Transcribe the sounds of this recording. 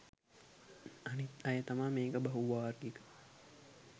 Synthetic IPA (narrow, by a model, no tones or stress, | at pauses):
ɐnit̪ɐjɐt̪ɐmameːkɐbɐɦuʋaːɾɡikɐ̥